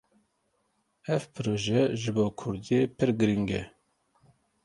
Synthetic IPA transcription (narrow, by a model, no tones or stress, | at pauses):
ɛvpʰɨɾoːʒɛʒɪboːkʰʊɾd̪ijeːpʰɨɾɡɨɾiŋɡɛ̰